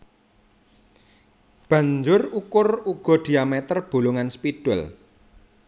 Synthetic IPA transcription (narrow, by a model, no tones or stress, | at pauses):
b̥ä̤ɲd͡ʒʊrukʊruɡ̥ɔ̤ɖ̥i̤amɛt̪ərb̥o̤lʊŋanspid̥ʊl